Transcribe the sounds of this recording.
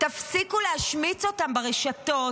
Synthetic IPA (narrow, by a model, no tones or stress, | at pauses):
t̪afsikulehaʃmit͡so̞t̪ambeʁeʃato